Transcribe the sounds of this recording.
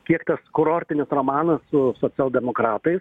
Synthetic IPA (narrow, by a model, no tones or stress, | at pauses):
kʲiɛkt̪ɐskʊɾoːrʲt̪ʲɪnʲɪsroːmɑːnɐssʊsoːt͡ssʲɛlˠd̪ʲɛmoːkɾɑːt̪ɐɪs